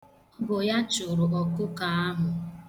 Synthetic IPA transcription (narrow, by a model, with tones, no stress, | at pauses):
bʊ˨ja˦t͡ʃʊ˨ɾʊ˨ʔɔ˨kʊ˦ka˨a˦ɦʊ˨